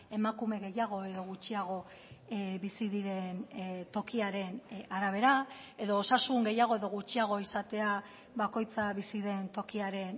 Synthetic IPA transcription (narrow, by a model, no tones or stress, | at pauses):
e̞makume̞ɣe̞jaɣ̞o̞e̞ðo̞ɣ̞ut͡ʃiaɣ̞o̞ | bisiðiɾe̞nt̪o̞kiaɾe̞naɾaβ̞e̞ɾae̞ðo̞ːsasuŋɡe̞jaɣ̞o̞e̞ðo̞ɣut͡ʃiaɣ̞o̞isat̪e̞a | βako̞jt͡saβisiðe̞nt̪o̞kiaɾe̞n